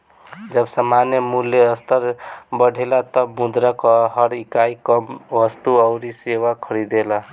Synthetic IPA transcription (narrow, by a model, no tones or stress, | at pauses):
d͡ʒəbsamanjəmulːeəst̪əɾbəɽʱelat̪ɔmud̪ɾakɔɦəɾikaikəmʋəst̪uəʊɾisewakʰəɾid̪ela